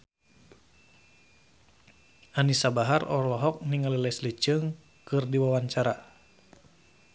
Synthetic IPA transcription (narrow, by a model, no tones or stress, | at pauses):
anisabaɦarɔlɔɦɔk̚niŋalilɛslit͡ʃɨŋ | kɨrdiwawaɲt͡ʃaɾa